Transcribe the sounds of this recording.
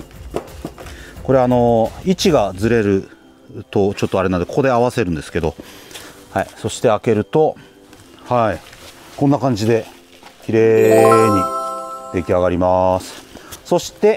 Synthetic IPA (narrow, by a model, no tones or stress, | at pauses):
ko̞ɾe̞ano̞it͡ɕiɡad͡zɨɾe̞ɾɯ̟ | t̪o̞t͡ɕo̞t̪ːo̞aɾe̞nand̪kokoe̞aβase̞ɾɯ̟̃nd̪e̞sɨ̥ke̞d̪o̞ | haiso̞ɕi̥t̪e̞ake̞ɾɯ̟t̪o̞ | hai | kõ̞nːakãɲ̟d͡ʑid̪e̞ | kʲiɾe̞ːɲ̟id̪̥e̞kʲiaɡaɾʲimasɨ̥so̞ɕi̥t̪e̞